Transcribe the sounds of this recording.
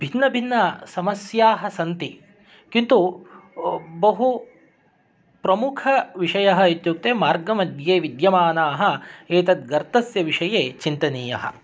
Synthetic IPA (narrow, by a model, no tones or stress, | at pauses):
b̥ʱinːɐbʱinːɐsɐmɐsjaːɦɐsɐnt̪i | kint̪u | bɐɦu | pɾɐmukʰɐʋiʂɐjɐɦɐ̆it̪juk̚t̪eːmaːɾɡɐmɐd̪ʱjeːʋid̪jɐmaːnaːɦɐ̆eːt̪ɐt̪̚ɡɐɾt̪ɐsjɐʋiʂɐjeːt͡ʃint̪ɐniːjɐ̰ɦɐ̰̆